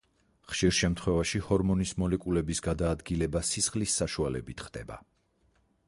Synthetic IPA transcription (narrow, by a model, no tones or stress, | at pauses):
χʃiɾʃɛmt̪ʰχwɛvaʃihɔɾmɔnismɔlɛkʼulɛbisɡad̪aːd̪ɡilɛbasisχlisːaʃualɛ̰bit̪ʰχd̪̥ɛ̰ba̰